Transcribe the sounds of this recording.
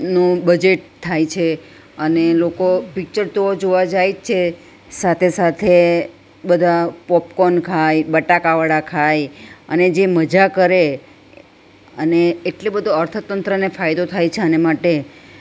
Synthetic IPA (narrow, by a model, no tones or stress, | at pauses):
nũbəd͡ʒeʈ̚t̪ʰːajt͡ʃʰe | ənelokopik̚t͡ʃəɾt̪ood͡ʒoʋad͡ʒajt͡ʃʰe | sat̪ʰesat̪ʰe | bəd̪ʱapɔpkonkʰajbəʈakaʋəɽakʰajəned͡ʒeməd͡ʒakəɾe | əneːʈlebəd̪ʱoəɾt̪ʰət̪ənt̪ɾənefajd̪ot̪ʰajt͡ʃʰeənemaʈe